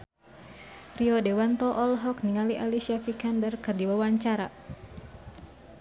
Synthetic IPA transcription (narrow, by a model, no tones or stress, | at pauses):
riɔdewant̪ɔʔɔlɦɔkniŋaliʔalisiafikandərkɨrdiwawaɲt͡ʃaɾa